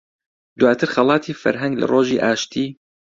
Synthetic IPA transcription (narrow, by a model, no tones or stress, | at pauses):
d̪waːt̪ʰɨɾxɐlˠɑːt̪ʰiːfɐ̰ɾɦɐŋɡla̰roːʒiːʔaːʃt̪ʰiː